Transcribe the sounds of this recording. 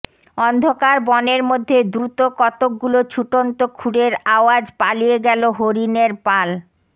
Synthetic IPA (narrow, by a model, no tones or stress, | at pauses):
ɔnd̪ʱokaɾbɔneɾmod̪ʱːed̪ɾut̪okɔt̪ok̚ɡulot͡ɕʰuʈont̪okʰuɽeɾaoad͡ʑpalijeɡɛloɦoɾineɾpal